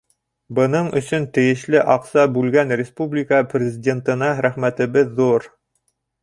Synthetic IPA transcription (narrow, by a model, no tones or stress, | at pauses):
bɤ̆nɤɴɵ̆sɵnt̪ɘ̆jɘ̆ʃlɘʔɑqsɑbʉlɡænrʲɪspublʲɪkəprʲɪzʲɪdʲe̞nt̪ɤ̆nɑɾæχmæt̪ɘ̆βɘðːuɾ